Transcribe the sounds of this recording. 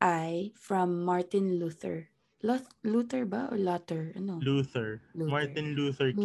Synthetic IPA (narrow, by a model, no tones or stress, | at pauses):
ʔajfɹɐ̃mːaɹt̪ɪ̃nluːθɛ̰ɹ | lɔluːt̪ɛɹbaʔɔ̰lɔt̪ɛɹʔɐnoluθɛɹmaɹt̪ɪ̃nluθɛɹ